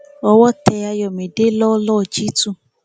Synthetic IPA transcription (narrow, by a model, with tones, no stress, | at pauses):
ɔ˧wɔ˦tɛ˧a˧jɔ˨mĩ˨de˨˦lɔ˦lɔ˦˨d͡ʒi˦tũ˦˨